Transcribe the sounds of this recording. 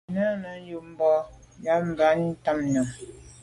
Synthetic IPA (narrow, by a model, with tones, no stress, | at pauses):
nə˦nə˨˦n̩˦ju˨m̩˦bɔ˦ | ja˦m̩˨ba˨˦n˦ta˦mnə˨m